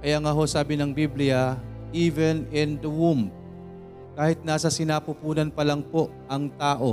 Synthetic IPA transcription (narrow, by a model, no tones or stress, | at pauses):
kɐjaŋaɦo̞saːbɪnɐŋbiblɪjɐʔiːvɛnɪnd̪ɐwumb̚ | kaːhɪt̪̚naːsɐsɪnaːpʊpuːnɐnpɐlɐŋpo̞ʔʔɐŋt̪aːʔo̞